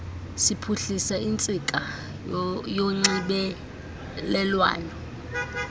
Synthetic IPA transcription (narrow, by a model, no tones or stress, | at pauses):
sipʰuɬisaint͡sʼikʼa | joŋ͡ǀiɓɛ | lɛlwa̰ːjɔ